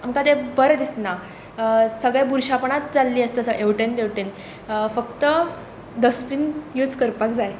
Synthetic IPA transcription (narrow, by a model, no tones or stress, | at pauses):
amkat̪ẽbəɾd̪isna | səɡɭebuɾɕapəɳat̪d͡zalːiːəst̪əsəʔeʋʈend̪eʋʈen | fək̚t̪ə | d̪əspinjud͡zkəɾpak̚d͡zaj